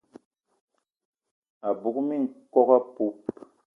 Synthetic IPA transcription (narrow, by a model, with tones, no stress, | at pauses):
a˨bu˨kmi˦˨ŋ̩˨kɔ˦ka˦pu˦p